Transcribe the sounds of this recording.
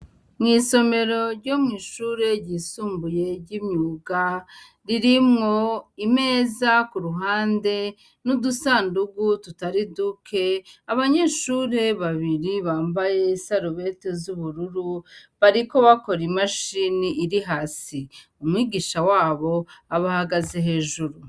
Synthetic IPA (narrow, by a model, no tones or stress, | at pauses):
mŋiːso̞me̞ɾo̞ɾɟo̞mŋiːʃuːɾe̞ɾɟiːsuːmbuje̞ɾɟimɲuɡa | ɾiɾimŋo̞ime̞ːzakuɾuɦaːnde̞ | nudusaːnduɡututaɾidukʰe̞aβaɲe̞ːʃuːɾe̞βaβiɾiβaːmbaje̞saɾuβe̞te̞zuβuɾuɾuβaɾiko̞βako̞ɾimaʃiniːɾiɦaːsi | umŋiːɡiːʃawaːβo̞aβahaɡaze̞ɦe̞ːʒuɾu